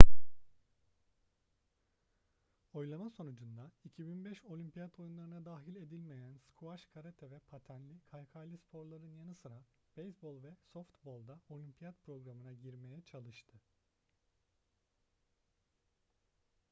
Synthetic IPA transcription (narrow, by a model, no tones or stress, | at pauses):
o̞jlˠamaso̞nud͡ʒund̪aicʰibinbɛʃo̞lʲympijat̪ʰo̞junlˠaɾɯnad̪aːɦilʲe̞d̪ilʲme̞jænskʰuaʃkʰaɾat̪ʰɛvɛpʰat̪ʰænlʲikʰalʲkʰalʲispʰo̞ɾlˠaɾɯnjanɯsɯɾa | b̥ejsbo̞lˠvɛsoft̪bo̞lˠd̪ao̞lʲympʰijat̪̚pɾo̞ɡɾamɯnaɟiɾme̞jɛt͡ʃʰalˠɯʃt̪ʰɯ